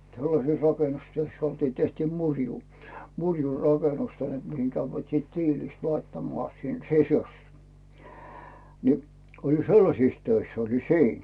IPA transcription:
selːɑses rɑkenustyøsː oltiː tehtiː murʲjuː murʲju rɑkenustøihen mihiŋ kæʋːæt siːt tiːlist lɑitːɑmŏɑˑ sin sisu̥s ni oli selːɑsis tøisː olin siːn

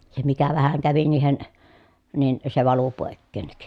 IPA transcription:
se mikæ ʋæhæŋ kæʋi niːhen nin se ʋɑlu poˑekːeˑnːik

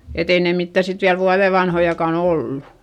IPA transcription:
et ei ne mitːæˑ sit ʋiæl ʋuɑðe ʋɑnhojɑkɑˑn olːu

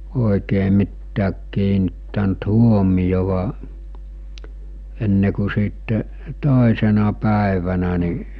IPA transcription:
oˑikeː mitːæːk kiːnitːænt huomijoʋɑ enːe ku siːtːe toˑesenɑ pæˑeʋænæ ni

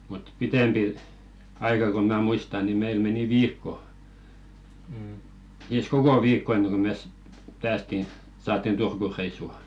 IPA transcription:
mut pitempi ɑikɑ ko mæ muistɑ ni meil meni ʋiːkːo siːs koko ʋiːkːo enːeŋ ko mes pæːsti sɑːtːin turkureisːu

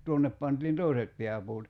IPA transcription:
tuonːep pɑntiːn toˑiset pe̝æpuːt

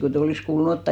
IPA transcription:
kotei olis kuːlun otːɑˑ

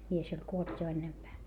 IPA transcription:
mies olʲ kuolt jo enːempæː

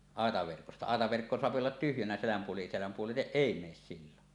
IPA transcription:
ɑˑetɑʋerkostɑ ɑˑetɑʋerkːo soɑpi olːɑt tyhjænæ selæm puoli selæm puoliteʔ ʔeˑi meːs silːon

